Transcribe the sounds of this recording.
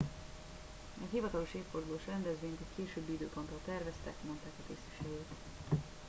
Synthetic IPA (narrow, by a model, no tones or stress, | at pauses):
ɛɦivɒt̪ɒlo̞ʃeːpford̪uloːʃrɛnd̪ɛzʋeːɲt̪ɛckeːʃøːbːiid̪øːpo̞nt̪olt̪ɛrvɛst̪ɛkmo̞nt̪aːkɒt̪eːsi̥ʃɛɡeːt̪